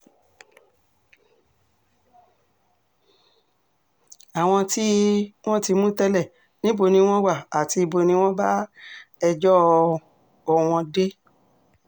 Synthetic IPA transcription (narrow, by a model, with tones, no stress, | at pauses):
a˨w̃ɔ̃˧ti˦w̃ɔ̃˦ti˧mũ˦tɛ˧lɛ˦˨ | nĩ˦bo˧nĩ˧w̃ɔ̃˦wa˦˨a˨ti˧i˧bo˧nĩ˧˦w̃ɔ̃˦ba˦ɛ˧d͡ʒɔ˦ | ɔ˧˨w̃ɔ̃˧de˦